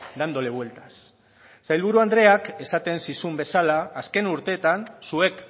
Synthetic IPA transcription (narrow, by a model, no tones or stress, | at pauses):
d̪and̪o̞leβwe̞lt̪ḁs | sajlβuɾuand̪ɾe̞ake̞sat̪e̞nsisumbe̞salaːske̞nuɾt̪e̞ːt̪ansue̞k